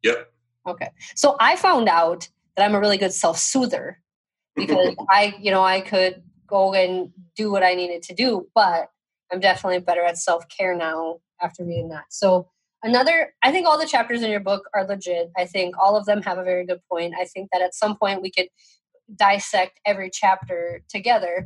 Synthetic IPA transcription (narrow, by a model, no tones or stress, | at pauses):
jɛp | oʊkʰeɪsoʊʔaɪfãʊ̃ndaʊt̪̚ | ðɨɾãɪ̃məɹɪlˠiɡʊd̥sɛlˠfsuðə̰˞ | b̥ɨkʰʌzaɪjɨñoʊaɪkʰɨd̚ | ɡ̥oʊɨ̃ndɨwʌɾaɪniɾɨd̚tʰɨdɨb̥ʌt̚ | ãɪ̃mdɛfənətˡlibɛɾə˞ɨtsɛlˠfkʰɛɹnaʊ | æftə˞ðiɨ̃nðætsoʊ | ɨnʌðə˞aɪθɪ̃ŋkɔlˠðɨt͡ʃʰæp̚tə˞zɨ̃njə˞bʊkə˞lɪd͡ʒɪdaɪθɪ̃ŋkɔlˠʌvðɨ̃məvəvɛɹiɡʊd̚pʰɔ̃ɪ̃nta̰ɪθɪ̃ŋk̚ðɨɾɨtsʌ̃mpʰɔ̃ɪ̃nt̚wikʰɨd̚ | daɪsɛk̚tɛvɹit͡ʃʰæp̚tə˞tʰɨɡɛðə˞